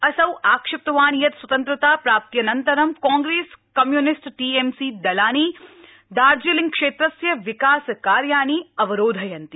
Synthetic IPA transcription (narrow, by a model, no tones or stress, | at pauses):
ɐsɐwaːkʃɪp̚t̪ɐʋaːnijɐt̪swɐt̪ɐnt̪ɾɐt̪aːpɾaːp̚t̪jɐnɐnt̪ɐɾɐmkãːŋɡɾeːskɐmjunɪsʈʈiːemsiːd̪ɐlaːniː | d̪aːɾd͡ʒilĩŋɡkʂeːt̪ɾɐsjɐʋikaːskaːɾjaːniːɐʋɐɾoːd̪ʱɐjɐnt̪i